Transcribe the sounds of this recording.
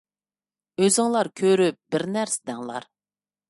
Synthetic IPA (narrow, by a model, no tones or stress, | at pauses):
øzɪŋlˠɑɾkʲʰøɾyp̚bɪɾnæɾsɪd̪ɛŋlˠɑ̰ɾ